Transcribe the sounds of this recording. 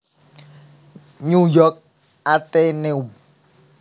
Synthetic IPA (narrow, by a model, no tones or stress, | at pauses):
ɲujɔk̚ | at̪eneum